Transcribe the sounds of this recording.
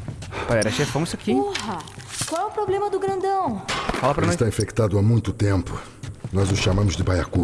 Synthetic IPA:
paɛɾɐʃefɐ̃w̃isakiohɐkwawɛʊpɾoblẽmɐd̪ʊɡɾɐ̃nd̪ɐ̃w̃falɐpɾɐnɔsst̪aĩfekt̪ad̪ʊamũj̃t̪ʊt̪ẽmpʊ | nɔzʊsʃamɐ̃mʊzd̪ɪbajaku

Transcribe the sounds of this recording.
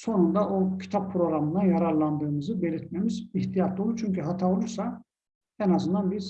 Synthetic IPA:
so̞nund̪aʔocʰi̥t̪ʰapʰːɾo̞ɡɾamɯnajaɾaɾlˠand̪ɯːmɯzɯbe̞lʲiɾt̪me̞miziht̪ʰijat̪̚d̪olˠut͡ʃʰyɲcyɦat̪ʰao̞lˠuɾsa | ɛnazɯnd̪anbiz

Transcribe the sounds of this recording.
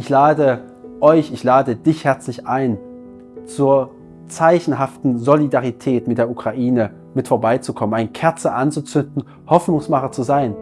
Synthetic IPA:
ʔɪçlaːdə | ʔɔʏçɪçlaːdədɪçhɛɐt͡slɪçʔaɪn | t͡suːɐ | t͡saɪçn̩ɦaftn̩zolidaʁitʰɛːtmɪtd̥eːɐʔukʁ̥aʔiːnə | mɪtfoːɐbaɪt͡sukʰɔmənaɪnkʰɛɐt͡səʔant͡sut͡sʏndn̩ | hɔfnʊŋsmaχɐt͡suzaɪn

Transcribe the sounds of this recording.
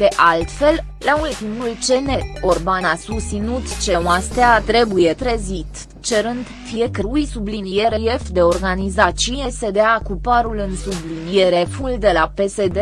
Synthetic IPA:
d̪̥e̞ʔalt̪fe̞l | lault̪imult͡ʃe̞ne̞o̞rbanasust̪sinut̪t͡ʃe̞moast̪eat̪ɾe̞buje̞t̪ɾezit̪ | t͡ʃe̞ɾɨnd̪fijekəɾujsublinije̞ɾeje̞fd̪e̞o̞rɡanizat͡ʃije̞se̞d̪eakupaɾulɨnsublinije̞ɾe̞fuld̪e̞lape̞se̞d̪e

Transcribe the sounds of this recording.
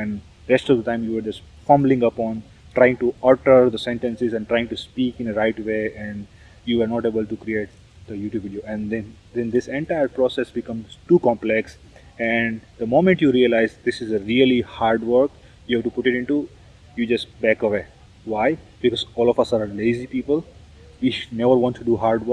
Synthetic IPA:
ʋɛ̃n | ɾɛsʈɔʋd̪əʈãɪ̃mjuːʋəɾd͡ʒʌsʈ | fʌ̃mblɪ̃ŋʌpɔ̃ːn | ʈɾaɪɪ̃ŋʈuɔʈəɾd̪əsɛ̃ɳʈɛ̃nsɪzɛ̃ɳʈɾaɪɪ̃ŋʈuspiːkɪ̃nəɾaɪʈʋeːʔɛ̃ɳɖ | juʋəɾnɔːʈeːbəlʈukɾieːʈ̚ | d̪̥əjuːʈjubʋɪɖioʔɛ̃nd̪ɛ̃nd̪ɛ̃nd̪ɪsɛ̃ɳʈaɪəɾpɾɔsesbɪkʌ̃mz̥ʈuːkɔ̃mplɛks | ɛɳɖd̪əmõːmɛ̃ɳʈjuːɾiəlaɪzd̪ɪsɪzəɾiəlihaːɾɖʋəɾk | juhæʋʈupʊʈɪʈɪ̃ɳʈu | juːd͡ʒʌsʈbækəʋeː | ʋaɪbɪkɔzɔːlɔfʌsaɾleɪzipiːpəl | ʋinɛʋəɾʋɔ̃ːnʈʈuɖuɦaːɾɖʋə

